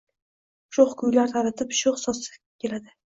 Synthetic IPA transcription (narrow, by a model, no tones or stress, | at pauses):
ʃoχkʰʊjlaɾt̪ʰaɾat̪ʰɪpʃoχsɒsɪ̥ | kʲe̞lad̪ɪ